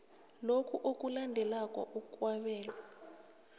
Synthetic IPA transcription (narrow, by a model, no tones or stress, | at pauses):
lokʰuʔok̬ʼulandʱɛlakʼɔ̰ʔukukʼwaɓɛːla